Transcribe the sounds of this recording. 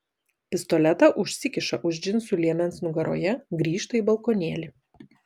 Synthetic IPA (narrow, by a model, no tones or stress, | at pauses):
pʲɪst̪ɔlʲɛt̪ɑʔʊʃʲsʲɪkʲɪʃɐʔʊʒʲd͡ʒʲɪnsʊlʲiɛmʲɛnsnʊɡɐɾo̰ːjɛɡɾʲiːʃt̪ɐiːˑbɐlˠkoːnʲiɛlʲɪ